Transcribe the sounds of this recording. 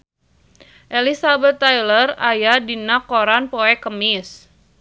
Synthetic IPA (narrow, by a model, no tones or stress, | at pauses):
ʔɛlisabət̪ːajlərajadinakoɾanpoɛkəmɪs